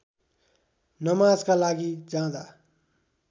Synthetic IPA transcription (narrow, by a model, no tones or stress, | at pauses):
nʌmaːd͡zkalaːɡid͡zãːd̪a